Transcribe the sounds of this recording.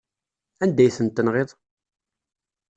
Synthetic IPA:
ænd̪æjθənt̪ːənʁeðˤ

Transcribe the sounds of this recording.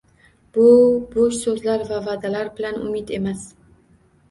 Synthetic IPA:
b̥ʊboʃsɵzlaɾvavad̪alaɾbɪlanʊ̰mid̪e̞mas

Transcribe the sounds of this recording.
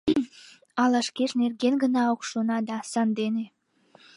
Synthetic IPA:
ɑlɑʃkeʃnerɡenɡənɑokʃonɑd̪ɑsɑnd̪ene

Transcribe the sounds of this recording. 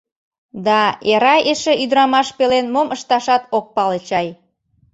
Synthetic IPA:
d̪ɑeɾɑjeʃeyd̪ɾɑmɑʃpelenmomʔəʃt̪ɑʃɑt̪ok̚pɑlət͡ɕɑj

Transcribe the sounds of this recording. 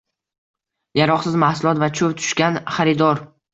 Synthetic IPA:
jaɾɒqsɪzmahsʊlˠɒt̪vat͡ʃʰɵvt̪ʰʊ̥ʃkʲanχaɾɪd̪ɒɾ

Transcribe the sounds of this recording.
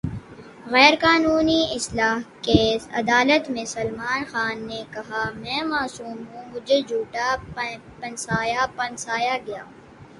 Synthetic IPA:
ɣɛːɾkaːnuːniɪslaːɦkeːsɐ̰d̪aːlət̪mẽsɐlmaːnxaːnːekɐɦamɛ̃ːmaːsuːmɦũmʊd͡ʒʱed͡ʒʱuːʈa | pɐnsaːjapɐnsaːjaɡɐja̰ː

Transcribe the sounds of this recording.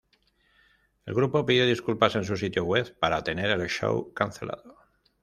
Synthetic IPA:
e̞̰lɣɾupo̞piðjoð̞iskulpase̞nsus̬it̪joɣwe̞βpaɾat̪e̞ne̞ɾelʃo̰wkanθe̞lʔa̰ðo

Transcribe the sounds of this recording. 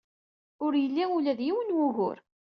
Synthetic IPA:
ʊɾjəlːiʊlæðjiwənwʊɣʊ̰ɾ

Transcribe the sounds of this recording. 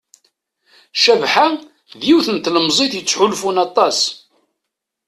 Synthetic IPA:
ʃævħa | ðjiwθənt̪ləmzˤiθjət͡sːħulfunɑt̪ˤɑs

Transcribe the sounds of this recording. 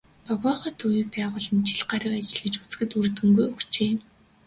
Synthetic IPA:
pɔɣɔːχə̆t̪ujpæːʁʊːɮə̆nt͡ɕʰiɮɢaɾə̆kat͡ɕɪ̆ɮɘ̆t͡ɕut͡sxɘ̆t̪urt̪ɘ̆ŋɡujuxt͡ɕeːm

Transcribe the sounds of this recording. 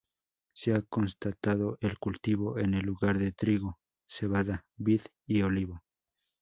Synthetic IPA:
seako̞nst̪at̪aðo̞ʔelkult̪iβo̞ʔe̞ne̞lːuɣaɾðet̪ɾiɣo | se̞βaðaβið | ioliβo

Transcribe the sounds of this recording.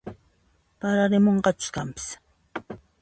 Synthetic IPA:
paɾaɾɪmoɴɢɑt͡ʃʊ̥skampɪ̥s

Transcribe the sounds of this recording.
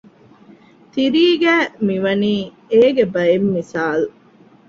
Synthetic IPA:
t̪iɾiːɡæːmiʋɐniː | eːɡebɐemːisaːlu

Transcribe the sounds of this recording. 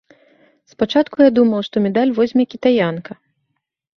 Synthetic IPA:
spat͡ʂat̪kujad̪umɐwʂt̪ɔmʲɛd̪alʲvɔzʲmʲɛkʲit̪ajankɐ

